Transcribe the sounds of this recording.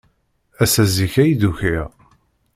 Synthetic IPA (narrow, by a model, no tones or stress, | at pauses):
æsæziçæjðuçiʁ